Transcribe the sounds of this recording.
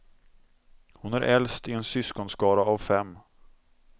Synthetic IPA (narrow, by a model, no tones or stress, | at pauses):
hʊnæɾʔɛlst̪ɪɛnsʏskɔnskɑːɾaːvfɛmː